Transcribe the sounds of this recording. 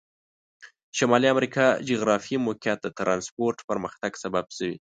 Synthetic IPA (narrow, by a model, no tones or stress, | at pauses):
ʃamɑliamɾikʰɑd͡ʒiɣɾɑfimokjat̪̚d̪ət̪ɾʔɑnspoɾʈpəɾməxt̪aɡsababsəwḭ